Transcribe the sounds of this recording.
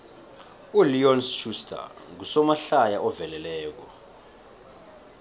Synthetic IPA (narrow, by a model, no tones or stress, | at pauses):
uliɔnsʃustʰʼa̰k̬usɔmaɬajaʔɔvɛlɛlɛːk̬ɔ̰